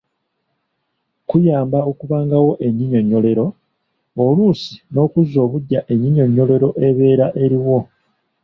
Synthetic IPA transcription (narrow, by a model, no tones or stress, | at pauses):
kujaːmbao̞kuβaːŋɡawo̞ʔe̞ɲːiɲo̞ɲːo̞le̞ɾo̞ | oluːsi̥no̞ːkuzo̞ːβuɟːaʔe̞ɲːiɲo̞ɲːo̞le̞ɾo̞ʔe̞βe̞ːɾaʔe̞ɾiwo̞